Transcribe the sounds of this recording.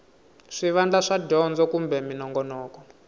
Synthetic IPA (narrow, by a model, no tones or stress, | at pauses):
ʂiʋand͡ɮaʂadɔnd͡zɔkumbɛminɔŋɡɔnɔːkɔ